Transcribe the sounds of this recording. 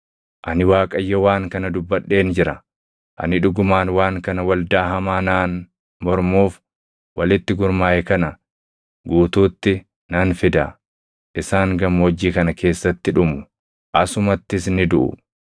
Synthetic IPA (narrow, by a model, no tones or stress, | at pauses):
ʔɐnɪwaːkʼɐjːɐwaːŋkɐnɐd̪ʊbːɐɗːe̞ːnd͡ʒɪɾɐ | ʔɐ̰nɪᶑʊɡʊmaːnwaːŋkɐnɐwɐld̪aːɦɐmaːnaːn | mɔɾmuːf | wɐlɪt̪ːɪɡʊɾmaːʔɛkɐnɐ | ɡuːt̪uːt̪ːɪ | nɐnfɪd̪ɐ | ʔɪsaːŋɡɐmːɔd͡ʒːiːkɐnɐke̞ːsːɐt̪ːɪᶑʊmʊ | ʔɐsʊmɐt̪ːɪsnɪd̪ʊʔʊ̰